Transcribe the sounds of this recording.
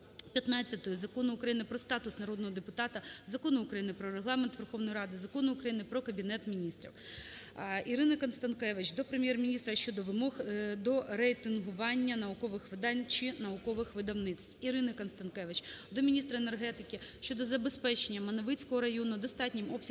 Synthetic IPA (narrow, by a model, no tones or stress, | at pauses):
pʲjɐt̪nɑt͡sʲːɐt̪ɔjɔzɐkɔnʊːkɾɐjinɪpɾɔst̪ɑt̪ʊsnɐɾɔd̪nɔɦɔd̪epʊt̪ɑt̪ɐzɐkɔnʊʊkɾɐjinɪpɾɔɾeɦlˠɑment̪ʋerxɔʋnɔjiɾɑd̪ɪzɐkɔnʊʊkɾɐjinɪpɾɔkɐbʲinɛt̪mʲinʲist̪ɾʲḭw | iɾɪnɪkɐnst̪ɐnkɛʋɪt͡ʃd̪ɔpɾemʲjɛrmʲinʲist̪ɾɐʃt͡ʃɔd̪ɔʋɪmɔxd̪ɔrejt̪ɪnɦʊʋɑnʲːɐnɐʊkɔʋɪxʋɪd̪ɑnʲt͡ʃɪnɐʊkɔʋɪxʋɪd̪ɐwnɪt̪t͡s̪tiɾɪnɪkɐnst̪ɐnkɛʋɪt͡ʃd̪ɔmʲinʲist̪ɾɐene̞rɦɛt̪ɪkɪʃʲt͡ʃɔd̪ɔzɐbespɛt͡ʃenʲːɐmɐnɐʋɪt͡sʲkɔɦɔɾɐjɔnʊd̪ɔst̪ɑtʲnʲɪmɔbsʲ